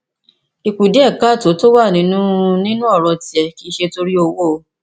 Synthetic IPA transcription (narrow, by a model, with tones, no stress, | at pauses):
i˧ku˨de˦ɛ˦˨ka˦˨to˨˦to˦wa˦˨nĩ˨˦nũ˦˧nĩ˦nũ˦ɔ˦˨ɾɔ˧ti˨ɛ˧ki˦ʃe˧to˧ɾi˦o˧wo˦˨˧